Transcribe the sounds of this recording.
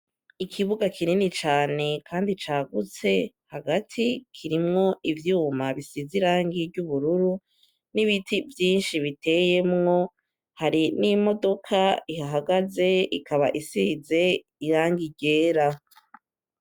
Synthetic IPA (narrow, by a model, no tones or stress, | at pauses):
ikʰiβuɡakʰiɾinit͡ʃaːne̞kʰaːndit͡ʃaːɡut͡se̞ | haɡatʰikʰiɾimŋo̞ʔivjuːmaβisiziɾaːŋɡiɾɟuβuɾuɾu | niβitʰivjiːnʃiβitʰe̞je̞mŋo̞ | haɾinimo̞do̞kʰaihaɦaɡaze̞ikʰaβa̰ʔisize̞ | iɾaːŋɡiɟe̞ːɾa